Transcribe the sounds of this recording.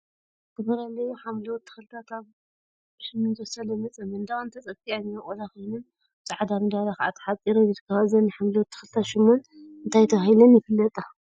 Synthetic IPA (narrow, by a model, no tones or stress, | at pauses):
tʰɨbɐɾalːɐjuħamlɐwt̪ʰːɨ̥xɨlt̪ʰakʰaβ | ʃɨmːonzsalɐmɨt͡sʼɐmɨnd̪awnt̪ʰɐt͡sʼɐfianijɐkʼolakojnun | t͡sʼaʕd̪amɨd̪alaxʕat̪ʰːħat͡sʼiɾojɨt̪ɨkʰːɐβazɐnːɨħamlɐwt̪ʰːɨ̥xɨlt̪ʰaʃɨmːon | ɨnt̪ʰajt̪ʰɐβahilɐnjɪfɨlːɐt̪ʼa